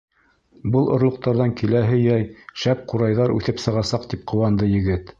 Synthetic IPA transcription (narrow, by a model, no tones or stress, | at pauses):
bɤlˠʔŏ̰ɾlˠŏq̚t̪ɑɾðɑŋkilæɦɘjæjʃæp̚quɾɑjðɑɾʉ̰θɘpsɤ̆ʁɑsɑqt̪ip̚qʰŏwɑnd̪ɤjɘ̆ɡɘt̪